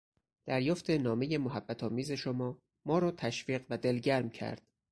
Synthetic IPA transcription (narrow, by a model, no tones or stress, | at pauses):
d̪̥æɾjɒːft̪ʰenɒːme̞je̞moɦæbːæt̪ʰɒːmiːze̞ʃomɒː | mɒːɾɒːt̪ʰæʃviːɢvæd̪elɟæɾmcʰæ̰ɾd̪̥